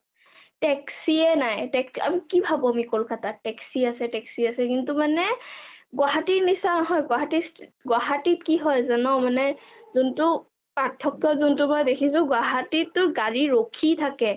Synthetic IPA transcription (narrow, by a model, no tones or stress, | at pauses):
tɛksiɛnajtɛksa̰mikibʱabɔamikolkatatɛksiasɛtɛksiasɛkintʊmanɛɡʊwaɦatiɹnisanɔɦɔjɡwaɦatisɡwaɦatit̚kiɦɔjzanɔʊmanɛ | zuntʊ | patʰːɔkjɔzuntʊmɔjdekʰisʊ̃ɡwaɦatitːʊɡaɹiɹokʰitʰakɛ